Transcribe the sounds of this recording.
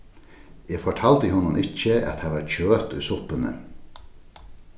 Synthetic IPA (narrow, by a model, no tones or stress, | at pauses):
eːfɔʈʰaːlt̪əɦʊnːʊnʔɪcːəɛ̰t̪haʋaɾt͡ɕøːt̪ṵjsʊpʏnə̰